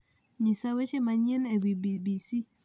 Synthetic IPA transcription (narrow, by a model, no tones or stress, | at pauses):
ɲisawet͡ʃemaɲɛnebibibisi